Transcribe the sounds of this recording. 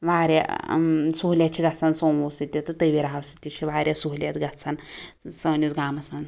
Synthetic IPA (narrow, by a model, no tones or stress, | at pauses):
ʋaːɾja̰ | suɦlʲjat͡ʃʰiɡɐt͡sʰansõːnosɨt̪ʲjit̪ɨt̪əʋiɾɦaʋsɨt̪ʲːit͡ʃʰiʋaːɾʲjasuɦlʲjat̪ɡɐt͡sʰansɐːnit͡sɡaːmɐsmɐn